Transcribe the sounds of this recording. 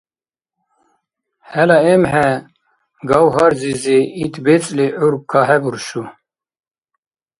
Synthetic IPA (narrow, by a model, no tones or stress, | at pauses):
hɛlɑemɦɛ | ɡɑwɦɑɾzizeit̪ʰbet͡sʼleʔuɾb̚kʰaɦɛbuɾʃu